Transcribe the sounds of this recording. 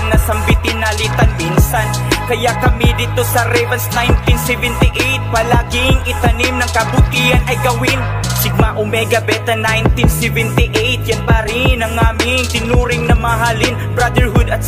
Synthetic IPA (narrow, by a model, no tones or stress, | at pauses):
ŋnɐsɐmbɪt̪inɐlit̪ɐnminsɐn | kɐjaʔkɐmid̪ɪt̪osɐɾɛvɐnsnajnt̪insɛvɛnt̪ɪʔejt̪̚pɐlaɡɪŋʔɪt̪ɐnimnɐŋkɐbʊt̪ihɐnɐjɡɐwin | sɪɡ̚maʔomɛɡɐbɛt̪ɐnajnt̪insɛvɛnt̪ɪʔɛjt̪̚jɐnpaɾɪnɐŋaːmɪŋt̪ɪnuːɾɪŋnɐmaɦaːlɪnbɾad̪ɛɹhʊd̪ɐt̪̚